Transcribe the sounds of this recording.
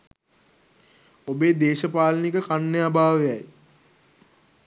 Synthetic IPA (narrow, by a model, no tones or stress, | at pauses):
obeːd̪eːʃəpaːlənikəkanːəjabʱaːʋejaj